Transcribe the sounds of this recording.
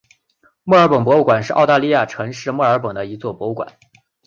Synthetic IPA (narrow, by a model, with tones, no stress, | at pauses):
mɔ˥˩ə˞˧˥pɤ˨˩ŋpwɔ˧˥u˥˩kwa˨˩nʂɻ̩˥˧ʔɑ˥˧ʊt̪a˥˧li˥˧ja˥˩ʈ͡ʂʰɤ˧˥ŋʂɻ̩˥˧mɔ˥˩ə˞˧˥pə˨˩ŋd̪ə˦i˧˥t͡swɔ˥˩pwɔ˧˥u˥˩kwa̰˨˩˦n